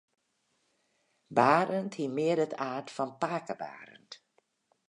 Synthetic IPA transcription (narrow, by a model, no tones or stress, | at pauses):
baːɾənthimɪədətʰaːtfɑnpaːkəba̰ːɾə̰nt